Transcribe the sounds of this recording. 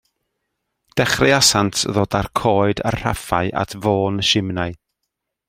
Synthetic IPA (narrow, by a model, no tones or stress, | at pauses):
d̥ɛχrɪasantʰðoːdarkʰoːɨda̰rr̥afaɨʔa̰tʰvoːnəʃɪmnaɨ